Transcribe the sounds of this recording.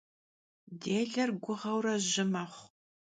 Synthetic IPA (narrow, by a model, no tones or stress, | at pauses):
deːɮɐrɡʷʊʁɐwrɐʑɪmɐχʷ